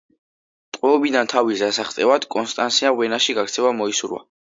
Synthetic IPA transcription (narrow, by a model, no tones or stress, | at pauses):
t̪ʼqʼwɛɔbid̪ant̪ʰavizzasaχt̪ʼɛvad̪̥kʼɔnst̪ʼansiaʁwɛnaʃiɡakɾt̪sʰɛvamɔisuɾwa̰